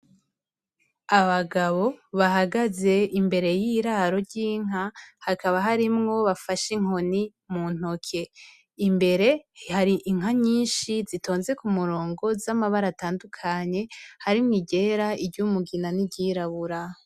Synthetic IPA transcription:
aβaɡaβo̞βaɦaɡaze̞imbe̞ɾe̞jiːɾaɾo̞ɾɟiːŋ̥ahakaβaɦaɾimŋo̞βafaʃiŋ̥o̞ni | muːn̥o̞kʰe | imbe̞ɾe̞haɾiʔiŋ̥ɦaɲiːnʃizito̞ːnze̞kumuɾo̞ːŋɡo̞zamaβaɾataːndukʰaɲe̞haɾimŋiɟe̞ɾaibɟumuɡinanibɟiːɾaβuɾa

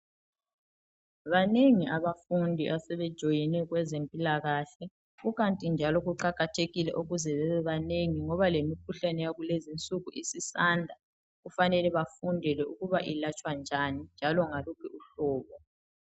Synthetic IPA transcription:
βaneŋiʔaβafundʱiβasɛβɛd̥ʒ̥ʱojinɛɣwɛzempʼilaɣaɬɛ | ɣuɣantʼind͡ʒʱalɔɣuǃaɣatʰeɣilɛ̰ʔuɣuzɛβɛβɛβaneŋiŋɔβalemikʰuɬanɛjaɣulezint͡sʼuɣuʔisisaːndʱa | ɣufanɛlɛβafundʱɛlɛuɣuβaʔilat͡ʃʼwand͡ʒʱanind͡ʒʱalɔŋalukʰɛuɬɔːβɔ

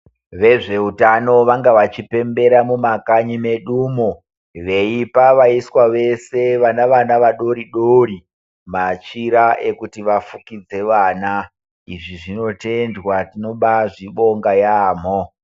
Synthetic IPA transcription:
ʋe̞ʐe̞utano̞ʋaŋɡaʋat͡ʃipe̞mbe̞ɾamumakaɲime̞ɗuːmo | ʋe̞ipaʋaiswaʋe̞se̞ʋanaʋanaʋaɗo̞ɾiɗori | mat͡ʃiɾaʔe̞kutiʋafukid͡ze̞ʋaːna | iʐiʐino̞te̞ndwatino̞ɓaʐiɓo̞ŋɡajaːm̤o

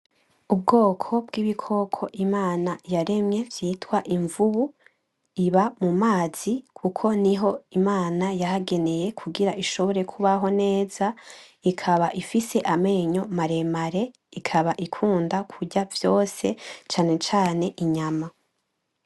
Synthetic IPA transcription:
ub̚ɡo̞ːkʰo̞b̚ɡiːβikʰo̞kʰo̞ʔimaːnajaɾe̞mɲe̞vjiːtwaʔiɱvuβu | iβamumaːz̥ikʰukʰo̞niɦo̞imaːnajaɦaɡe̞ne̞je̞kʰuɡiɾaʔiʃo̞βo̞ɾe̞kʰuβaɦo̞ne̞ːz̥a | ikʰaβaʔifise̞ʔame̞ːɲo̞maɾe̞maɾe̞ | ikʰaβaʔikʰuːndakʰuɟavjo̞ːse̞t͡ʃaːne̞t͡ʃaːne̞ʔiɲama

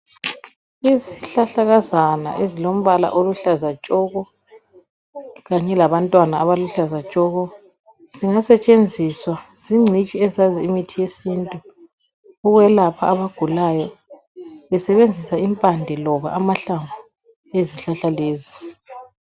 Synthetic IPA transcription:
iziɬaɬaɣazana̰ʔezilom̩βala̰ʔoluɬazat͡ʃʼɔɣɔ | ɣaɲɛlaβantʼwanaːβaluɬazat͡ʃʼɔɣɔ | ziŋasɛt͡ʃʼend͡zʱiswa | z̥iŋ͡ǀʱit͡ʃʼiɛzaziːmitʰijesiːntʼuː | ɣwɛlapʰaːβaɡ̥ʱulajɔ | βɛsɛβend͡zʱisaimpʼandʱɛlɔβa̰ʔamaɬaɱbʱu | eziɬaɬaleːzi

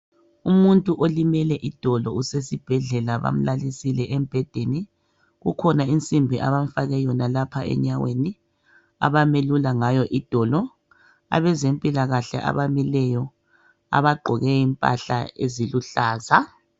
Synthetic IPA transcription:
umuntʼuʔolimɛlɛʔid̥ʱɔlɔusesib̥ʱɛɮɛlaβa̰m̩lalisilɛʔɛmb̥ʱɛd̥ʱeni | ɣukʰɔnaint͡sʼimbʱiʔa̰βaɱfaɣɛjɔnalapʰaɛ̰ɲaweni | a̰βamelulaŋajɔʔid̥ʱɔlɔ | a̰βɛzempʼilaɣaɬɛ̰ʔa̰βamilɛjɔ | a̰βaɡ͡ǃʱɔɣɛjimpʼa̰ɬa̰ḛziluɬaːza

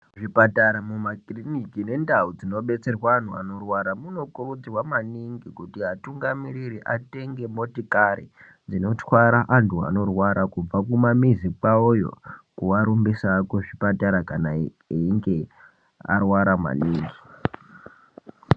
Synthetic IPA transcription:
ʐipataɾamumakrinikine̞ndaud͡zino̞ɓe̞t͡se̞rwaːntua̰no̞rwaɾamuno̞kurud͡zirwamaniŋɡikutiɦatuŋɡamiɾiɾiʔate̞ŋɡe̞motikaɾḭ | d͡zino̞twaɾaʔantua̰no̞rwaɾʔakub͡vakumamizik͡paojo̞̰kuʋaɾumbisakoʐipataɾakana | iŋɡe | a̰rwaɾama̰niːŋɡi

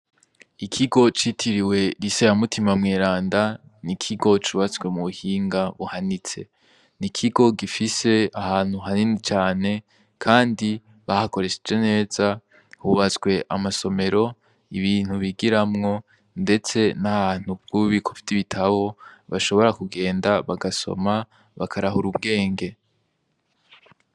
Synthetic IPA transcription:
ikʰiɡo̞t͡ʃitʰiɾiwe̞ɾiseamutʰimamŋeːɾaːndanikʰiɡo̞t͡ʃuːβat͡sɡwe̞muβuhiːŋɡaβuhanit͡se̞̰ | nikʰiɡo̞ɡifise̞ahaːn̥huɦaninit͡ʃaːne̞ | kʰaːndi | βahako̞ɾeʃed͡ʒe̞ne̞ːz̥a | huβat͡sɡwe̞ʔamaso̞me̞ɾo̞ | iβiːn̥huβiɡiɾamŋo̞ | nde̞t͡se̞nahaːn̥ub̚ɡ̥uuβikʰofi̥tiβitʰaβo̞βaʃo̞βo̞ɾakuɡe̞ːndaβaɡaso̞̰ma | βakʰaɾaɦuɾub̚ɡe̞ːŋɡe̞

